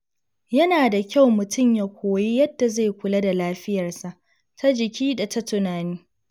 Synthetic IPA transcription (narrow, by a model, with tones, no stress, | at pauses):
jɐ˦naː˨da˨kʲa˦wmʊ˨tʊ˦˨mja˦kʷʰoː˨ji˦jɐ˦dːa˨ze˦˨kʷʊ˨lɐ˦da˨laː˦ɸɪ˦jɐ˨rsa˨ʔ | tʰa˦d͡ʒɪ˨kʲʰiː˦da˨ta˦tʊ˨naː˨niː˦